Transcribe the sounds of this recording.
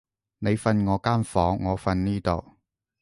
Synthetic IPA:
ne˨˧jfɐ˧nŋɔː˨˧kaː˥nfɔː˨˥ŋːɔː˨˧fɐ˧nniː˥t̪o˨˩w

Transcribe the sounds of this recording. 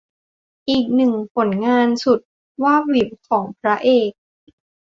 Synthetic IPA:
ʔiː˨˩k̚nɯ˨˩ŋpʰo˩˦nŋaː˧nsu˨˩t̪̚ | waː˥˩wi˨˩p̚kʰɔː˩˦ŋpʰɾa˦˥ʔeː˨˩k̚

